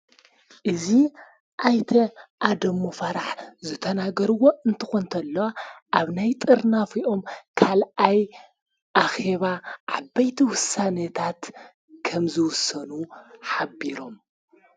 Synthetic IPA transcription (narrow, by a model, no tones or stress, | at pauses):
ʔɨzi | ʔajt̪ʰɐʔad̪ɐmːofɐɾaħzɨt̪ʰɐnaɡɐɾɨwo̞ɨnt̪ʰɨxont̪ʰɐlːɐwaʔaβnajt̪ʼɨɾnafiʔo̞mkʰalaj | ʔaxe̞βaʕabɐjt̪ʰiwʊsːanɐt̪ʰat̪ | kʰɐmzɨwʊsːɐnuħabiɾo̞m